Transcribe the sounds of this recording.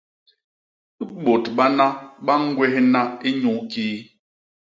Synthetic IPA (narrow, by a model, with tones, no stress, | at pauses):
ɓo˨tɓa˦na˦ɓa˦ŋ̩˦ɡwɛ˦hna˦i˦ɲu˦ki˦